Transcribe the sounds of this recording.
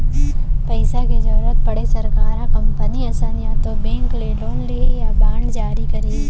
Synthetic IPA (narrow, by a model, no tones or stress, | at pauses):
pɐɪsaked͡ʒɐːɾət̪̚pɐɽesɐɾkaːɾãkɐ̃mpəniasaːnjãt̪obẽːŋkleɖoːnliejabãːɳɖd͡ʒaːɾikɐɾiː